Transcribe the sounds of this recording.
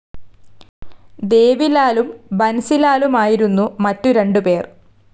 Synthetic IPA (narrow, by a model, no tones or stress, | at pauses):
d̪e̞ːʋilaːlumbɐnɐsilaːlumaːjiɾunːumɐtːuɾe̞ɳɖupe̞ːr